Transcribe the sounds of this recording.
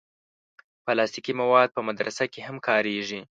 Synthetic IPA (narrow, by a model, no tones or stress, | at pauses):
pəlɑst̪ikimawɑd̪̚pəmad̪ɾasakehamkɑɾeʒi